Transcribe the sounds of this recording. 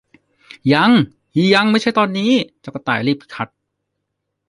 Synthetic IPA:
ja˧˥ŋ | hiː˧˩ja˧˥ŋma˥˩˨t͡ɕʰa˥˩jt̪ɔː˧nːiː˦˥t͡ɕa˨˩ka˧˩t̪a̰ː˨˩jliː˥˩p̚ʰi̥˦˥˩kʰa˦˥t̪̚

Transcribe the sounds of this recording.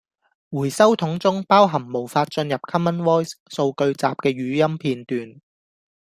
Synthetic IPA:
wuː˨˩jsɐ˥wt̪ʰʊ˨˥ŋt͡sʊ˥ŋpaː˥wɦɐ˨˩mo˨˩wfaː˧t̚t͡ʃɵ˧njɐ˨p̚kʰɐ˥mːɐ˥nwɔː˥jsso˧wkɵ˧ɥt͡sa̰ː˨p̚kɛː˧ɥyː˨˥jɐ˥mpʰiː˧nt̪yː˨n

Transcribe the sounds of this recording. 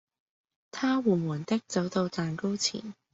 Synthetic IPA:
t̪ʰaː˥wuː˨˩muː˨˩nt̪ɪ˥k̚t͡sɐ˨˥wt̪o˧wt͡saː˨nko˥wt͡sʰḭː˨˩n

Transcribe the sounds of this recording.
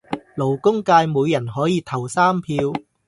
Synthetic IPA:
lo˨˩wkʊ˥ŋkaː˧jmuː˨˧jːɐ˨˩nɦɔː˨˥jiː˨˧t̪ʰɐ˨˩wsaː˥mpʰiː˧w

